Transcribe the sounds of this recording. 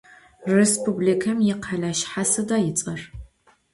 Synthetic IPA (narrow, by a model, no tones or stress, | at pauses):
respʰublikʰɐmjɪqʰɐɮaːʃħasɨdaːjɪt͡sʼɐr